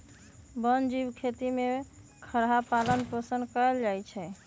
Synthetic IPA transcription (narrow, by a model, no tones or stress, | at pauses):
bənd͡ʒibkʰet̪ime | kʰəɾɦapalənpəsənd̪kəeld͡ʒajt͡ʃʰɛ